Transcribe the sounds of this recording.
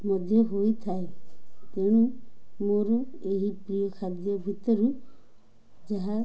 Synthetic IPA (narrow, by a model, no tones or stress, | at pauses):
mɔd̪ʱjɔɦojt̪ʰaet̪eɽ̃umoɾɔeɦipɾijɔkʰad̪jɔbʱit̪ɔɾu | d͡ʒaɦa